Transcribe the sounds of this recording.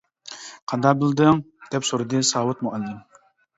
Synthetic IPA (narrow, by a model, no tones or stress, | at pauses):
qʰɑnd̪ɑqbɨlˠd̪ɨŋd̪̥ɛpsoɾɨd̪ɨsɑːwʊt̪̚muʔɛlːɨm